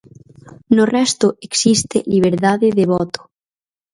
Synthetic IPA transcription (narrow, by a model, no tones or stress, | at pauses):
norɛst̪oʔeksist̪eliβ̞eɾðaðeðeβɔt̪o̥